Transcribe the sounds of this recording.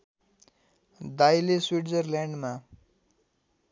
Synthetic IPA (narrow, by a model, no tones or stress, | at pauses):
d̪ajleswiʈd͡zʌrljaɳɖma